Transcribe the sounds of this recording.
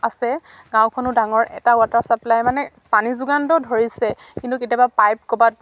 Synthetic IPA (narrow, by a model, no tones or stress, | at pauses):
asɛ | ɡãw̃kʰɔnʊdaŋɔɹɛ̰taʊataɹsaplajmanɛ | panizuɡantɔdʱoɹisɛ | kintuketijabapajp̚kɔbat̚